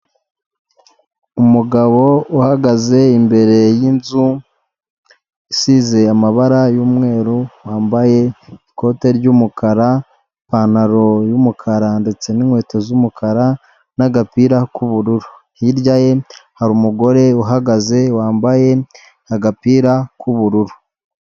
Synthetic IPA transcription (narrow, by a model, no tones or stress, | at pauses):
umuɡaβo̞uhaɡaze̞imbe̞ɾe̞jinzu | isize̞amaβaɾajuːmŋe̞ːɾuwaːmbaje̞iko̞te̞ɾɟumukʰaɾa | panaɾo̞jumukʰaɾandet͡se̞niŋhwe̞ːtezumukʰaɾa | naɡapiːɾakuβuɾuɾu | hiɾɟaje̞haɾumuɡo̞ɾe̞uɦaɡaze̞waːmbaje̞ | aɡapiːɾakuβuɾuɾu